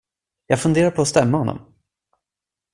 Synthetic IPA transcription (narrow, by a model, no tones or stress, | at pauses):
jɑːɡfɵnd̪eːɾaɾpʰɔːst̪ɛmːahɔnːɔ̰m